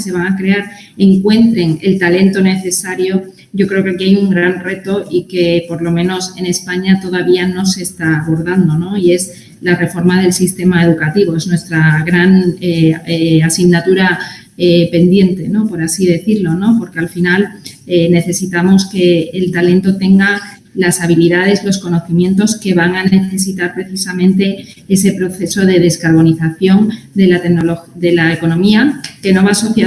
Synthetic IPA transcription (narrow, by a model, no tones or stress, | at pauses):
se̞βaŋakɾe̞aɾ | e̞ŋkwe̞nt̪ɾe̞ŋe̞̰lt̪ale̞nt̪o̞ne̞θe̞saɾjo̞ | ɟ͡ʝo̞kɾe̞okeakiajuŋɡɾanre̞t̪o̞ʔike̞po̞ɾlo̞mẽ̞no̞se̞ne̞spaɲat̪o̞ð̞aβiano̞se̞st̪aːβo̞ɾðand̪o̞no̞ie̞z | lare̞fo̞ɾmað̞e̞lsist̪e̞mae̞ð̞ukat̪iβo̞e̞znwe̞st̪ɾaɣɾaneeasiɣnat̪uɾa | epe̞nd̪je̞nt̪e̞no̞po̞ɾasiðe̞θiɾlo̞no̞po̞ɾke̞alfinalene̞θe̞sit̪amo̞ske̞ːlt̪alẽ̞nt̪o̞t̪e̞ŋɡa | lasaβ̞iliðað̞e̞slo̞sko̞no̞θimjẽ̞nt̪o̞ske̞β̞aŋane̞θe̞sit̪aɾpɾe̞θisamẽ̞nt̪e̞e̞se̞pɾo̞θe̞so̞ðe̞ðe̞skaɾβo̞niθaθjo̞nd̪e̞lat̪enolod̪e̞laeko̞nõ̞miake̞no̞βaso̞θja